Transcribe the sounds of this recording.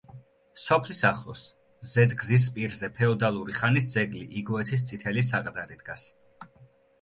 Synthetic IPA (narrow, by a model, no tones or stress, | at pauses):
sɔpʰlisaχlˠɔs | zɛd̪ɡzis̬pʼiɾzɛpʰɛɔd̪alˠuɾiχanisd̪zɛɡliʔiɡɔɛt̪ʰis̬t̪sʼit̪ʰɛlis̬aqʼd̪aɾid̪ɡas